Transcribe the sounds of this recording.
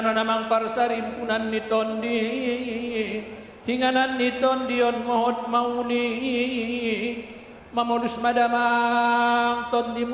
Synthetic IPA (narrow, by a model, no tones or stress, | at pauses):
nɔnamaŋparsaɾimpunanːit̪ɔndi | hiŋananːit̪ɔndiɔnmɔɦɔt̪̚mauli | mamɔdusmadama | ŋt̪ɔnd̪im